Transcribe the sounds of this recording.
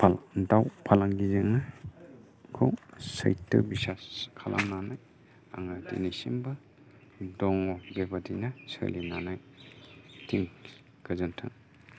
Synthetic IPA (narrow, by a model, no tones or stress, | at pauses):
pʰdawpʰalaŋɡizeŋa | kʰowsa̰jtɯ̰bisaskʰalʔa̰mnanaj | aŋadḭnisimbɐ | dɔŋɔbebadinasə̰linanaj | tʰiŋ | ɡɯzɯntʰɯ̰ŋ